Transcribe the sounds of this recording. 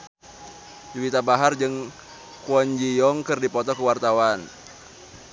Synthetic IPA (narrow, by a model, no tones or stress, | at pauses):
d͡ʒuwit̪abaɦard͡ʒɨŋ | kuɔɲd͡ʒijɔŋkɨrdipɔt̪ɔkəwart̪awan